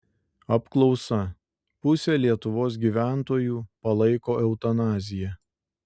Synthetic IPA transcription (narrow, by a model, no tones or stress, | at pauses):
ɐpklˠɒʊsɐ | pʊsʲɛlʲiɛt̪ʊʋoːs̬ɡʲiːʋʲæˑnt̪oːjuːpɐlˠɐɪkoːʔɛʊt̪ɐnɑːzʲɪjɛ